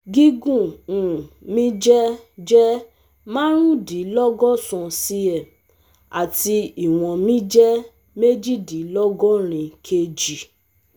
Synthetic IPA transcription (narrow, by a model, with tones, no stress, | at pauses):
ɡi˦ɡũ˦˨ũ˨mĩ˦d͡ʒɛ˦d͡ʒɛ˦ | mã˦ɾ̃ũ˦di˨˦lɔ˦ɡɔ˦sɔ̃˨si˧˦ɛ˦˨ | a̰˨ti˧i˨w̃ɔ̃˨mĩ˦d͡ʒɛ˦ | me˦d͡ʒi˦˨di˨˦lɔ˦ɡɔ˦ɾ̃ĩ˧kʰe˧d͡ʒi˨